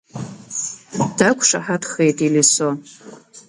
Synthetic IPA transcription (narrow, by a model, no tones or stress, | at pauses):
d̥akʷʰʂa̰ħatʰχejtʼiliso